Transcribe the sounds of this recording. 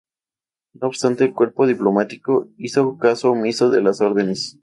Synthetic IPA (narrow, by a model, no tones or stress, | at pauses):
nooβst̪ant̪eːlkwe̞ɾpo̞ð̞iplomat̪i̥koisokasomisoðelaso̞ɾðene̞s